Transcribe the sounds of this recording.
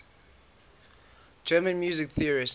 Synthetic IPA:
d͡ʒɜːmə̃nmjuːzɪkθiəɹis

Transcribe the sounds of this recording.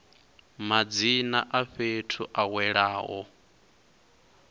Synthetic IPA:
mad͡zinaʔaɸetʰuʔawɛɺaːɦɔ̰

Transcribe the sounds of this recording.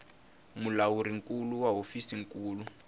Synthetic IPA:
mulawuɾiŋkʼuluwaɦofisiŋ̩kʼuːlu

